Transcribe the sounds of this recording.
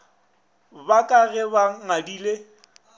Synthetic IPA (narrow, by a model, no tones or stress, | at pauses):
bakʼaɣɛβaŋadiːle